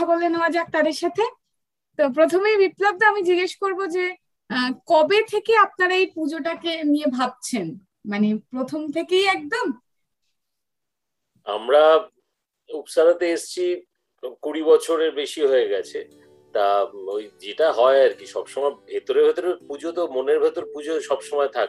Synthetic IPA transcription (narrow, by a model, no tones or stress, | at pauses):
aboleneoad͡ʑak̚t̪ad̪eɾʃat̪ʰe | t̪opɾot̪ʰomejbiplab̚t̪aamid͡ʑiɡeʃkoɾbod͡ʑe | kɔbet̪ʰekeap̚naɾaejpud͡ʑoʈakenijebʱab̚t͡ɕʰen | manepɾot̪ʰomt̪ʰekejɛk̚d̪om | a̰mɾa | upsaɾat̪eeʃt͡ɕʰi | kuɽibɔt͡ɕʰoɾeɾbeʃiɦoeɡɛt͡ɕʰe | t̪aojd͡ʑeʈaɦɔeaɾkiʃɔbʃɔmɔebʱet̪oɾeɾbʱet̪oɾeɾpud͡ʑot̪omoneɾbʱet̪oɾepud͡ʑoʃɔbʃɔmɔet̪ʰak